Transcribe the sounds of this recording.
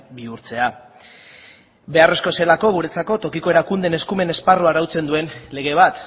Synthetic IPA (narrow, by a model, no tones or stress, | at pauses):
biuɾt͡se̞a | be̞are̞sko̞se̞lako̞ɣ̞uɾe̞t͡sako̞t̪o̞kiko̞e̞ɾakund̪e̞ne̞skume̞ne̞sparuaɾawt͡se̞nd̪ue̞nle̞ɣ̞e̞β̞at̪